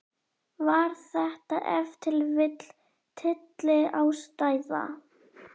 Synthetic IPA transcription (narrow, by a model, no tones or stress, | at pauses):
vaɾ̥θɛht̪aʔɛvt̪ʰɪlvɪt̪l̥ | t̪ʰɪt̪lɪawst̪aːjða̰